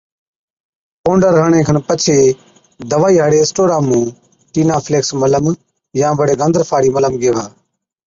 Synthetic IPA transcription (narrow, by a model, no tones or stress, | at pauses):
põːɳɖəɾɦəɳẽːkʰənpət͡ʃʰeː | d̪əʋaːiːɦəɽeːsʈoːɾaːmũː | ʈiːnãːpʰleːksmələm | jãːʋəɽeːɡənd̪əɾfʰaːɽiːmələmɡeːʋaː